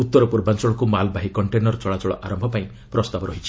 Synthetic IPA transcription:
ut̪ːɔɾɔpuɾbant͡ʃɔɭɔkumalbaɦikɔɳʈenɔɾt͡ʃɔɭat͡ʃɔɭɔ̰ʔaɾɔmbʱɔpaĩ | pɾɔst̪abɔɾɔɦit͡ʃʰi̥

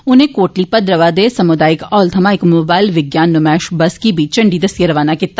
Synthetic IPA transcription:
ʊnẽkoːʈlipɐd̪ɾɐʋad̪esɐmʊd̪aːjɪkɔːlt̪ʰɐmaɪkmoːbaːɪlʋɪɡjaːnːʊmɛːʃbɐskibʱit͡ʃɐ̃ɳɖid̪ɐsjəɾɐʋaːnakit̪ːa

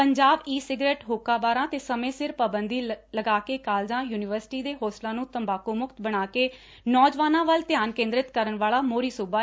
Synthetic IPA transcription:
pəɲd͡ʒaːbiːsɪɡɾeːʈɦoːkaːbaːɾãːt̪eːsəmẽːsɪɾpaːbənd̪iːləɡaːkeːkaːld͡ʒãːjuːnɪʋəɾsɪ̥ʈiːd̪eːɦoːslãːnũːt̪əmbaːkoːmʊkt̪bəɽ̃aːkeː | nɔːd͡ʒʋaːnãːʋəlt̪ɪjaːnkẽːnd̪ɾɪt̪kəɾəɳʋaːlaːmoːɾiːsuːbaː

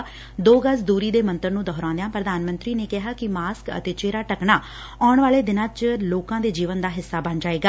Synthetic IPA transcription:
d̪oːɡəsd̪uːɾiːd̪eːmənt̪əɾnũːd̪ɔːɾãːnd̪ãːpɾəd̪aːnmə̃nt̪ɾiːneːkɪɦaːkɪmaːskə̰t̪eːt͡ʃeːɾaːʈəkɳaː | aːɳʋaːleːd̪ɪnãːt͡ʃloːkãːd̪eːd͡ʒiːʋənd̪aːɦɪsːaːbənd͡ʒaːeːɡaː

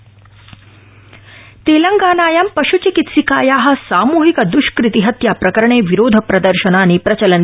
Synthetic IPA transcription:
t̪eːlɐŋɡaːnaːjɐmpɐʃut͡ʃikit̪sikaːjaːɦɐ̆saːmuːɦikɐd̪uʃkɾit̪iɦɐt̪jaːpɾɐkɐɾɐɳeːʋiɾoːd̪ʱɐpɾɐd̪ɐɾʃɐnaːnipɾɐt͡ʃɐlɐn

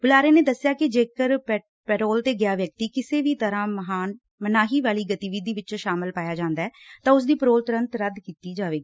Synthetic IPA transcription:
bʊlaːɾeːneːd̪əsːɪjaːkɪd͡ʒeːkəɾp | pɛːʈoːlt̪eːɡjaːʋjək̚t̪iːkɪseːʋiːt̪əɾãːməɦaːn | mənaːɦiːʋaːliːɡət̪iːʋiːd̪iːʋɪt͡ʃʃaːmɪlpaːjaːd͡ʒãːnd̪aːɛːt̪ãːʊs̬d̪iːpəɾoːlt̪əɾə̃nt̪ɾəd̪kiːt̪iːd͡ʒaːʋeːɡiː

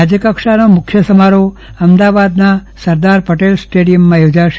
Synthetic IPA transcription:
ad͡ʒəkəkʂanomʊkʰːjəsəmaɾo | əmd̪aʋad̪nasəɾd̪aɾpəʈelsʈeɽijəmːãjod͡ʒaʃ

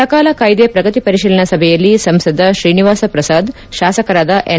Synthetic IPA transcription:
ɐkaːlɐkaːjd̪epɾɐɡɐt̪ipɐɾiʃiːlɐɳɐsɐbʱɛjɐlːisɐmsɐd̪ʱːɐʃɾiːniʋaːsɐpɾɐsaːd̪ | ʃaːsɐkɐɾaːd̪ɐʔe

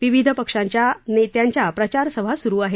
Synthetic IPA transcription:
ʋiʋid̪ʱəpəkʂaɲt͡ɕjanet̪jaɲt͡ɕjapɾət͡ɕaɾsəʋʱasuɾuːaɦe

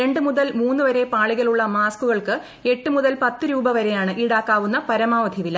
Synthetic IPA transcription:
ɾe̞ɳɖɨmuðɐlmuːnːuʋɐɾe̞paːɭiɣɐɭuɭːɐmaːskuɣɐɭkɨ | e̞ʈːɨmuðɐlpɐt̪ːɨɾuːbɐʋɐɾe̞jaːɳɨʔiɽaːkːaːʋunːɐpɐɾɐmaːʋɐd̪ʱiʋilɐ

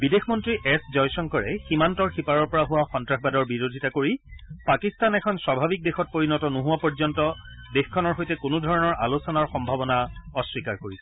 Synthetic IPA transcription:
bidexmɔntɹiʔɛszɔjsɔŋkɔɹɛximantɔɹxipaɹɔɹpɔɹaɦʊwaxɔntɹaxbadɔɹbiɹodʱitakoɹipakistanɛkʰɔnswabʱabik̚dexɔt̚poɹinɔtɔnoɦuwapɔɹzɔntɔ | dexkʰːɔnɔɹxojtɛkʊnʊdʱɔɹɔnɔɹʔalusɔnaɹxɔmbʱabɔnaɔswikaɹkoɹisɛ

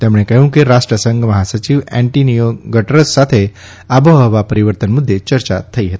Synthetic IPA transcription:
t̪jamuɭ̃ekəjũːkeɾaʂʈɾəsəŋɡməɦasət͡ɕiʋæ̃ɳʈinijoɡɡəʈəɾəsːat̪ʰe | abʱəɦəʋapəɾiʋəɾt̪ənmud̪ʱːet͡ɕəɾt͡ɕa̰t̪ʰːəiɦet̪i̥

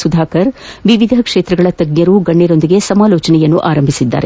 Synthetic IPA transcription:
sud̪ʱaːkɐɾʋiʋid̪ʱɐkʂeːt̪ɾɐɡɐɭɐt̪ɐɡɲɐɾuɡɐɳːɛɾo̞nd̪iɡe̞sɐmaːlɔːt͡ʃɐnɛjɐnːuʔaːɾɐmbʱisid̪ːa̰ːɾe

